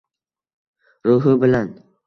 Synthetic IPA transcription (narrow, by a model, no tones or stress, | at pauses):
ɾʊɦɪbɪlan